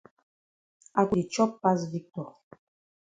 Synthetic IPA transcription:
a˨ku˨di˨t͡ʃɔ˦pːa˦s̬vi˦k̚tɔ˨

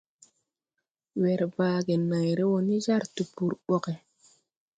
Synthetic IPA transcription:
we˨ɾbaː˦ɡe˨na˨jɾe˦wo˦ni˦za˦ɾtu˨pu˨ɾɓo˨ke˨

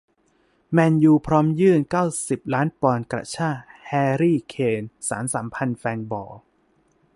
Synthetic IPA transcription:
mɛː˧njuː˧pʰɾɔː˦˥mjɯː˥˩nkaː˥˩wsi˨˩p̚ɾaː˦˥npɔː˧nkɾa̰˧˩t͡ɕʰaː˥˩hɛː˧ɾiː˥˩kʰeː˧nsa̰ː˩˦nsaː˩˦mpʰa˧nfɛː˧nbɔː˨˩

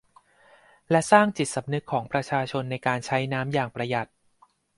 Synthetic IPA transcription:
lɛ˦˥saː˥˩ŋt͡ɕi˨˩t̪̚sa˩˦mnɯ˦˥kʰːɔː˩˦ŋpɾa˧t͡ɕʰaː˧t͡ɕʰo˧nːa˧jkaː˧nt͡ɕʰa˦˥jnaː˦˥mjaː˨˩ŋpɾa˧ja˨˩t̪̚

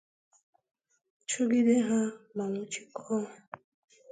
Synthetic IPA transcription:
t͡ʃʊ˦ɡi˦de˦ɦa˦na˨nu˨t͡ʃi̥˨kʰɔ˦˨

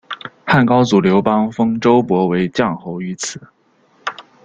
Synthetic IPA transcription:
xa˥˩nkɑ˥ʊt͡su˨˩ljo˧˥ʊpɑ˥ŋfɤ˥ŋʈ͡ʂo˥ʊpwɔ˧˥we˧˥ɪt͡ɕjɑ˥˩ŋxo˧˥ʊy˧˥t͡sʰɹ̩˨˩˦

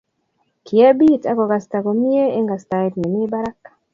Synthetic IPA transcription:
kʰi˨a˦bi˦˨tʼa˦ko˨ka˨sta˨ko˨mi˦e˦e˦ŋɡa˨sta˨i˦tme˨mi˦ba˦ɾa˦kːḁ˨

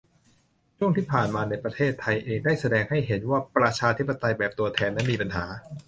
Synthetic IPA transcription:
t͡ɕʰu˥˩əŋt̪ʰiː˥˩pʰaː˨˩nmaː˧na˧jpɾa˧t̪ʰeː˥˩t̪ʰːa˧jʔeː˧ŋdaː˥˩jsa˧dɛː˧ŋha˥˩jɦe˩˦nwaː˥˩pɾa˧t͡ɕʰaː˧t̪ʰi˦˥pːa˧t̪a˧jbɛː˨˩p̚t̪u˧ɐt̪ʰɛː˧nːa˦˥nmiː˧pa˧nɦaː˩˦

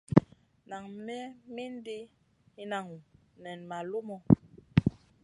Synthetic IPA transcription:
na˨ŋmɛ˦mi˦n˦de˦ | i˦na˨ŋu˨ | nɛ˨nma˨lo˦mɔ˨

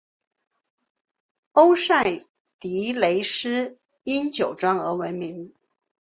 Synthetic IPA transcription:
o˥ʊsa˥˩ɪ | t̪i˧˥le˧˥ɪʂɻ̩˥ | i˥nt͡ɕjo˨˩ʊʈ͡ʂwɑ˥ŋə˧˥we˧˥ɪmi˧˥ŋ

